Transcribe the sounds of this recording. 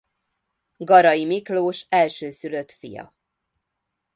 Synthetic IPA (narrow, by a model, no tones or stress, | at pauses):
ɡɒɾɒjimikloːʃɛlʃøːsyløt̪fḭjɒ̰